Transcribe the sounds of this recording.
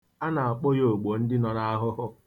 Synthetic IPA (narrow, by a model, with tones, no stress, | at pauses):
a˦na˨a˨k͡po˦jo˨ɡ͡bo˨n̩˦dɪ˦nɔ˨ɾa˦a˦ɦʊ˦ɦʊ˦